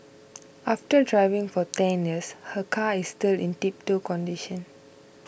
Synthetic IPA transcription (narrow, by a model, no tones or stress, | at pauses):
ʔaftədɹaɪvɪ̃ŋfɔtɛ̃njiəshəkʰaisːtilĩntip̚tokɔ̃ndiʃə̃n